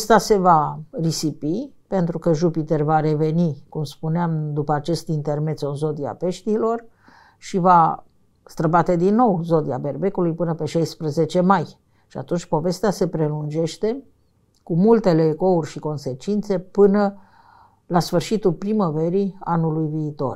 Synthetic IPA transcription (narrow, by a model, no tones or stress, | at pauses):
st̪ase̞varisipipe̞nt̪ɾukəʒupit̪ervaɾe̞ve̞nikumspuneamd̪upəat͡ʃe̞st̪int̪e̞rme̞t̪sonzo̞d̪ia̰pe̞ʃt̪iːlo̞r | ʃiva | st̪ɾəbat̪e̞d̪inːo̞wzo̞d̪ia̰be̞rbe̞kulujpɨnəpe̞ʃajspɾəze̞t͡ʃe̞maj | ʃia̰t̪unt͡ʃʲpo̞ve̞st̪ease̞pɾe̞lund͡ʒe̞ʃt̪e̞ | kumult̪e̞le̞ːko̞urʲʃiko̞nse̞t͡ʃint̪se̞pɨnə | lasfɨrʃit̪ulpɾiməve̞ɾianulujviːt̪o̞̰r